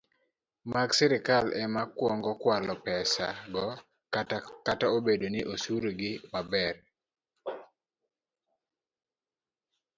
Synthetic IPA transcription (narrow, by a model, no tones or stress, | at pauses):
maɡsɛɾɪkalɛmakwɔŋɡɔkwalɔpɛsa̰ɡɔ | kataobedonɪʔosuɾoɡɪmabɛr